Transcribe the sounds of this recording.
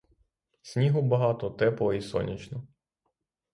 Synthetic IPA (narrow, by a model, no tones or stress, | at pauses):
sʲnʲiɦʊbɐɦɑt̪ɔt̪ɛpˠɔisɔ̰nʲit͡ʃnɔ